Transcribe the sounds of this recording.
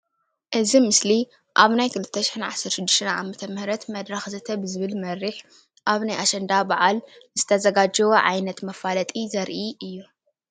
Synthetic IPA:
ʔɨzimɨsli | ʔaβnajkʰɨlɨt̪ʰːɐʃɪħinʕasɐɾʃɨd̪ːɨʃt̪ʰɐnʕa̰mɐt̪ʰɐmɨhɾɐt̪mɐd̪ɾɐxzɨt̪ʰɐbɨzɨβɨlmɐɾiħ | ʔaβnajʔaʃɐnd̪abaʕalz̥ɨt̪ʰɐzɐɡad͡ʒɐwoʕajnɐt̪mɐfalɐt̪ʼizɐɾʔiʔɨjːu

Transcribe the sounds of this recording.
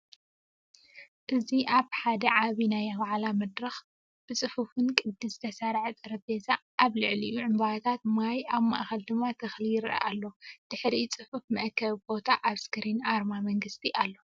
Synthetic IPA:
ʔɨziʔaβħad̪ɐʕaβinajaβʕlamɐd̪ɾɐx | b̥ɨt͡sʼɨfufɨnkʼɨd̪ːɨz̥ɨt̪ʰɐsaɾʕɨt̪ʼɨɾɐbezʰaʔːβlɨʕlijuʕɨmbawt̪ʰat̪̚majaβma̰ʔxɐld̪ɨmːat̪ʰɐxlijɪɾɐ̰ʔa̰lːo̞d̪̥ɨħɾit͡sʼɨħufmɐʔkʰɐβbo̞t̪ʰaʔaβskɨɾinʔaɾmamɐŋɡɨst̪ʰiʔalːo̞

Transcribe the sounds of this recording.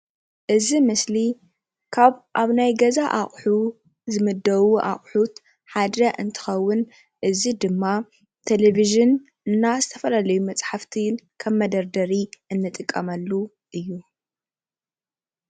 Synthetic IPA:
ʔɨzimɨsli | kʰaβʔaβnajɡɐzaʔaχʼħu | zɨmɨd̪ːɐwuʔa̰χʼħut̪ | ħad̪ɐʔɨnt̪ʰɨ̥xɐwːʊn | ʔɨzid̪ɨmːa | t̪ʰeleβiʒɨn | ɨnːazɨt̪ʰɐfɐlalɐjumɐt͡sʼħaft̪ʰikʰɐmːɐd̪ɐɾd̪ɐɾiɨnːɨt̪ʼɨkʼːɐmɐlːu | ʔɨjːu

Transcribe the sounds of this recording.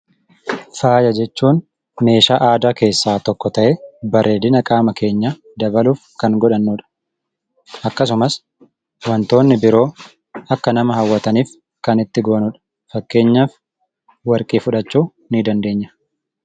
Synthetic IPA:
faːjɐd͡ʒɛt͡ʃːuːn | me̞ːʃaːʔaːd̪aːke̞ːsːaːt̪ɔkːɔt̪ɐʔebɐɾʔe̞ːd̪ɪnɐkʼaːmɐke̞ːɲːa | d̪ɐbɐluːfkɐŋɡɔᶑɐnːuːᶑɐ̥ | ɐkːɐs̬ʊmɐs | wɐnt̪o̞ːnːɪbɪɾo̞ː | ɐkːɐnɐmɐɦɐwːɐt̪ɐniːf | kɐnɪt̪ːɪɡo̞ːnʊᶑɐ̥ | fɐkːe̞ːɲːaːf | wɐɾkʼiːfʊᶑɐt͡ʃːuː | nid̪ɐnd̪e̞ːɲːɐ̥

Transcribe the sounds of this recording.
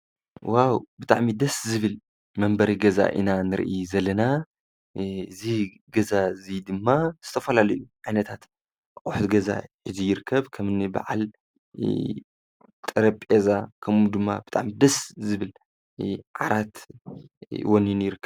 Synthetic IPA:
wawbɨt̪ʼaʕmid̪ɐszɨβɨl | mɐmbɐɾiɡɐza̰ʔɨ̰nanɨɾ̰ʔizɐlɐna | ɨzi | ɡɐzaɨzid̪ɨmːaz̥ɨt̪ʰɐfɐlalɐjuʕajnɐt̪ʰat̪ | kʼʊħut̪ɡɐza̰ħɨzijɪɾɨkʰːɐβkʰɐmɨniba̰ʕa̰l | t̪ʼɨɾɐpʼezakʰɐmud̪ɨmːa̰bɨt̪ʼa̰ʕmid̪ɐszɨβɨl | ʕaɾat̪ | wonjunjɪɾɨkːɐ

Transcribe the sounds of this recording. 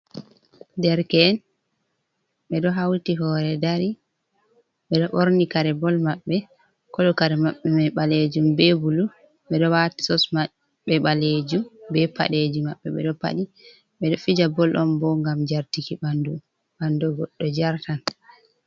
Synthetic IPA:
dɛɾkɛːn | ɓɛɗɔɦawtiɦɔɾɛdaɾi | ɓɛɗɔʔoɾnikaɾɛbɔlmaɓːɛ | kɔɗɔkaɾɛmaɓːɛmɛɓaled͡ʒumbɛbulu | ɓɛɗɔwati̥sɔsma | ɓɛɓaled͡ʒumbɛpa̰ɗed͡ʒimaɓːɛɓɛ̰ɗɔpa̰ɗi | ɓɛɗɔfid͡ʒabɔlʔɔmbɔŋɡamd͡ʒaɾtikibandu | ɓandɔɡɔɗːɔd͡ʒaɾtan

